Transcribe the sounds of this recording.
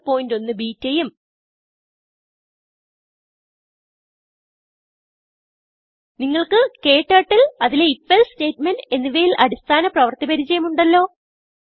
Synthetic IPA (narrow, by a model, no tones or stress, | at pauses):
pːo̞ːjindo̞nːɨbiːtːejum | niŋːɐɭkɨke̞ːʈːɐːʈːilɐðile̞ifːelste̞ːtmɐne̞nːiʋɐjilʔɐɾist̪ʰaːnɐprɐʋɐrt̪ibɐɾit͡ɕːɐjumuɳɖɐlːo̞ː